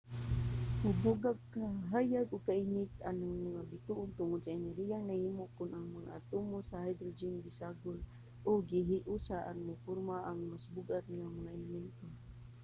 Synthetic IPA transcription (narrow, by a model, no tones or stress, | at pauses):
mʊbʊɡaɡ̚kaɦajaɡʊɡ̚kaʔiŋɪt̪anaŋmaŋabɪt̪uʔʊnt̪ʊŋʊd̪̚sainaɾijaŋnahimʊʔkʊnʔaŋmaŋa̰ʔa̰t̪umʊsahajd̪ɾʊd͡ʒɪnɡɪsaɡʊn | ʔʊɡiɦɪʔusaʔanmʊpʊrmaʔaŋmasbʊɡʔat̪̚ŋamaŋaɛlɪmɛnt̪o